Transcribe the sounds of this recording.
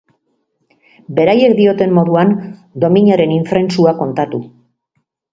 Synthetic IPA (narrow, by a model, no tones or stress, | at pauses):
be̞ɾaje̞kd̪io̞t̪e̞mːo̞ðuand̪o̞miɲaɾe̞niɱfɾe̞nsuako̞nt̪at̪u